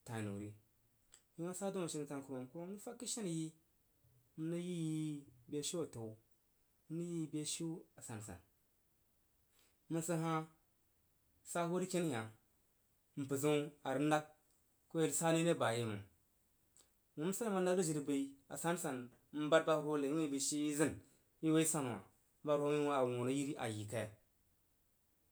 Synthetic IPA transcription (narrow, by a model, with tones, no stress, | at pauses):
ta˨nṵ˨ɾi˦ | ji˦na˦sa˦do˦ma˨ʃi˦n˨ta˨nku˨ɾo˨m˨ko˦ni˦fa˦kːi˦ʃa˦n˨ji˦ | mi˦nə˦ji˦ji˦be˦ʃi˦a˨to˨ | m̩˦nə˦ji˦be˦ʃi˦a˨sa˨n˨sa̰˨n | mə˨nsə˦ɦa˦ | sa˦ho˦ɾi˦ke˦n˦ja˨ | m̩˨pɨ˨zu˦a˨ɾi˦n˦da˦k̚ | ko˦je˨lsa˦ni˦ne˦˨ba˨je˦mṵ˨ | wu˨m˦sa˦ma˨n˦da˦kdu˦d͡ʒi˨ɾi˨bə˨i˦a̰˨sa˦n˦sa˨n˦ | m̩˦ba˦t̚ba˦ho˦le˨i˦i˨bi˨ʃi˦i˦zi˦n | ji˦we˦i˦sa˦n˨a̰˨˦ | ba˦ɾo˦i˦wa˦a˨wu˨no˦ji˦ɾi˦ʔa̰˨ji˨ka˦ja˨